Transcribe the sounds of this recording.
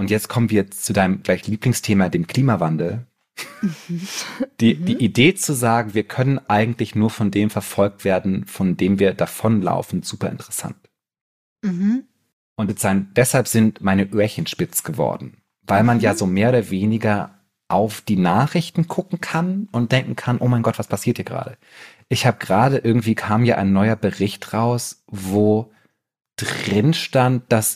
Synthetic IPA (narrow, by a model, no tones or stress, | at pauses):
ʔʊntjɛt͡stkʰɔmənviːɐt͡sudaɪnəmɡlaɪçliːplɪŋstʰeːmadeːmkʰl̥iːmavandl̩ | d̥iːdiːʔideːt͡suzaːɡŋ̩viːɐkʰœnənʔaɪɡŋ̩tlɪçnuːɐfɔndeːmfɛɐfɔlk̚tv̥eːɐdn̩fɔndeːmviːɐdafɔnla̰ʊfn̩z̥uːpɐʔɪ̰ntəʁɛsa̰nt | ʔʊntɛz̥aɪnd̥ɛshalpz̥ɪntmaɪnəʔøːɐçənʃpɪt͡sɡ̥əvɔ̰ɐdn̩ | vaɪlmanjaːzoːmeːɐoːdɐveːnɪɡɐ | ʔaʊfd̥iːnaːχʁ̥ɪçtn̩ɡʰʊkŋ̩kʰanʊnt̚d̥ɛŋkŋ̩kʰanʔoːmaɪnɡɔtv̥aspʰasiːɐthiɐɡʁa̰ːɾə | ʔɪçhaːbəɡʁaːɾəʔɪɐɡŋ̩tv̥iːkʰaːmjaːʔa̰ɪnːɔʏɐbəʁɪçtʁaʊs | voː | d̥ʁɪnʃtant̚d̥as